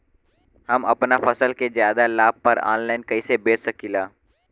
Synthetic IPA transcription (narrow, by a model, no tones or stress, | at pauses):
hɐmɐ̰pnafɐsəlkezjaːd̪alaːb̚pɐɾa̰ːnlaːɪnkɐisebeːt͡ʃsɐkiːlaː